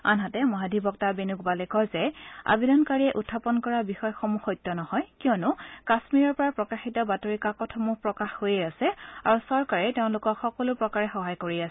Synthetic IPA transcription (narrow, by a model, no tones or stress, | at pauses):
a̰nɦatɛmɔɦadʱibɔktabenukbalɛkɔzɛa̰bidɔnkaɹiɛʔutʰːapɔnkɔɹabixɔjxɔmuxɔjtːɔnɔhɔjkijɔnʊkasmiɹɔɹpɔɹapɹɔkaxitɔbatoɹikakɔtʰɔmupɹɔkaxhojejasɛaɹusɔɹkaɹɛteʊ̃lʊkɔkxɔkɔlʊpɹɔkaɹɛxɔɦajkoɹiasɛ